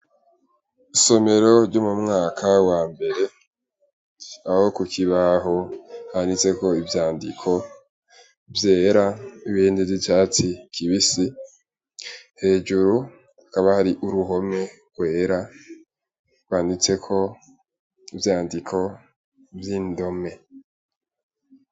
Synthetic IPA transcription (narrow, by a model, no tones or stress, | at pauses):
iso̞me̞ɾo̞ɾɟumumŋaːkʰawaːmbe̞ɾe̞ | aho̞kukʰiβaɦohanit͡se̞ko̞ivjaːndḭkʰo̞ | vje̞ːɾaiβindivzijaːt͡sikʰiβisi | he̞ːd͡ʒuɾu | akaβahaɾiʔuɾuɦo̞me̞ɡ̥we̞ːɾa | ɡwaːndit͡se̞kʰo̞ | ivjaːndikʰo̞ | vjiːndo̞me̞